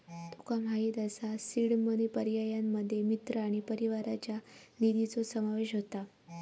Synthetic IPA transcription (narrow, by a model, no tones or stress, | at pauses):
t̪ukamɦait̪əsasiɽmənipəɾijajamːəd̪ʱːjemit̪ɾəaɽ̃ipəɾiʋaɾat͡ɕjanid̪it͡sosəmaʋeɕɦot̪a